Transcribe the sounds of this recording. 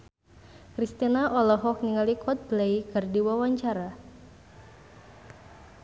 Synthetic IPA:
kɾist̪inaʔɔlɔɦɔk̚niŋalikʰɔt̪̚blejkɨrdiwawaɲt͡ʃaɾa

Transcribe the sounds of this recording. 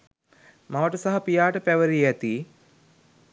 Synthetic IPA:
maʋəʈəsaɦɐpijaːʈəpæʋəɾiæt̪iː

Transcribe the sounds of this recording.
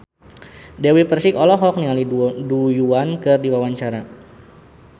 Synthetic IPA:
dewipərsikɔlɔɦɔk̚niŋalidujuankɨrdiwawaɲt͡ʃaɾa

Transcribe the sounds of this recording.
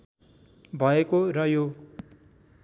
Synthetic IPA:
bʱʌekorʌjo

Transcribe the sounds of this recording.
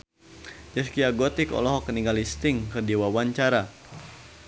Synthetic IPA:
d͡ʒəskiaɡɔt̪ɪkɔ̰lɔɦɔkːəniŋalist̪ɪŋkɨrdiwawaɲt͡ʃaɾa

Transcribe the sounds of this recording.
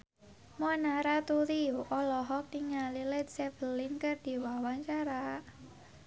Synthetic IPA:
mɔnaɾat̪uɾiuʔɔlɔɦɔk̚niŋalilɛt̪sɛvəlinkərd̪̥i̤wawaŋt͡ʃaɾa

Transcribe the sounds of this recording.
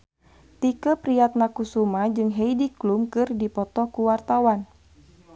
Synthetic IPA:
t̪ikəpɾiat̪̚nakusumad͡ʒɨŋɦeidiklumkɨrdipɔt̪ɔkuwart̪awan

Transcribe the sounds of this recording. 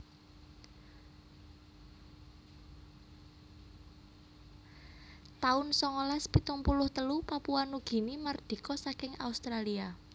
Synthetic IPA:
t̪aʊnsɔŋolaspit̪umpulʊht̪əlupapuanuɡ̥i̤nimərd̪̥i̤kɔsakɪŋa̰ust̪ɾalia

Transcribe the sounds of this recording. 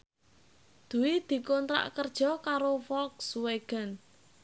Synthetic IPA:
d̪̥ṳwid̪̥i̤kont̪ɾa̰ʔkərd̥ʒ̥ɔ̤kaɾofɔksuweɡ̥ən

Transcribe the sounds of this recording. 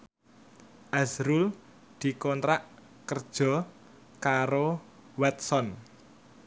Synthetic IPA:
ʔazɾul | d̪̥i̤kɔnt̪ɾaʔ | kərd̥ʒ̥ɔ̤ | kaɾo | wɛt̪̚sɔn

